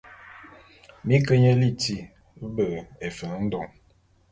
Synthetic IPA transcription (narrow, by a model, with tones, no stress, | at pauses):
mi˦kə˦ɲə˦li˦˨ti˦ | bə˨e˨fə˨˦n̩˦dɔ˨ŋ